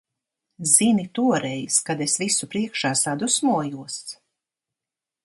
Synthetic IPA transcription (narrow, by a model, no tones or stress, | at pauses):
z̥init̪uɔɾɛjskad̪esvisupɾiɛkʃaːsad̪usmuɔjuɔs